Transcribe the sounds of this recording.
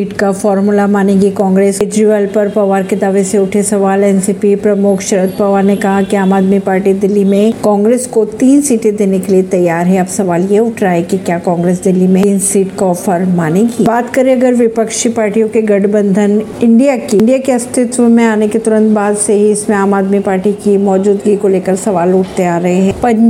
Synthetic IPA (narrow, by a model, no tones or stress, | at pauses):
iːʈkafɔːɾmʊlamaːnẽɡikɔ̃ːŋɡɾeːsɪd͡ʒɾiʋəlpɐɾpɐʋaːɾked̪aːʋeseʊʈʰesɐʋaːlɛːnsiːpipɾɐmʊkʰʃɐɾət̪̚pɐʋaːnekɐɦakiaːmaːd̪mipaːɾʈid̪ɪlːimẽkɔ̃ːŋɡɾeːskot̪iːnsiːʈẽd̪eːnekeliet̪ɐjːaːɾɦɛɐbsɐʋaːljeʊʈʰɾaɦɛkikjaːkɔ̃ːŋɡɾeːsd̪ɪlːimẽinsiːʈkɔːfəɾmaːneɡibaːt̪kɐɾeɐɡəɾʋɪpəkʃipaːɾʈijõkeɡɐɖbə̃nd̪ʱənɪ̃ɳɖijakiɳɖijakeɐst̪ʰɪt̪wəmẽaːneket̪ʊɾə̃nt̪baːd̪seɦiɪsmẽaːmaːd̪mipaːɾʈikimɔːd͡ʒuːd̪ɡikoleːkəɾsɐʋaːlʊʈʰt̪eaːɾɐɦeɦɛ̃ːpɐ